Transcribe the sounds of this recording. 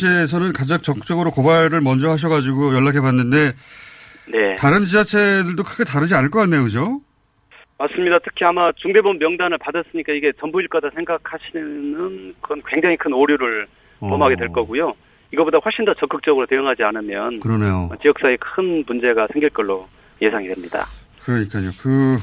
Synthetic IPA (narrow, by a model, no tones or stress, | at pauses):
t͡ɕʰes̬ʰʌnɯnkad͡ʑak̚t͡ɕ͈ʌkɯk̚t͡ɕ͈ʌɡɯɾokobaɭɾɯɭmʌnd͡ʑʌɦhaɕ̬ʰʌɡad͡ʑiɡojʌɭːak̬ʰepanːɯnde̞ | ne̞taɾɯnt͡ɕid͡ʑat͡ɕʰe̞dɯɭdokʰɯɡetaɾɯd͡ʑianɯɭk͈ʌk͈anːe̞jokɯd͡ʑo | mas͈ɯmɲidatʰɯ̥kʰiamat͡ɕuŋbe̞bʌmːjʌŋdanɯɭpadas͈ɯɲik͈aiɡe̞t͡ɕʌnbuiɭk͈wadasʰe̞ŋɡak̚ʰaɕʰinɯnkʌnkwe̞ŋd͡ʑaŋikʰɯnoɾjuɾɯɭ | pʌmɦaɡedwe̞ɭk͈ʌɡujo | iɡʌbodaɸwʌɭɕ͈indat͡ɕʌŋk͈ɯk̚t͡ɕ͈ʌɡɯɾotejʌŋɦad͡ʑianɯmjʌnkɯɾʌnejot͡ɕijʌk̚s͈aekʰɯnmund͡ʑe̞ɡasʰeŋɡiɭk͈ʌɭːo | je̞sʰaŋidwe̞mɲida̰kɯɾʌɲik͈aɲokɯ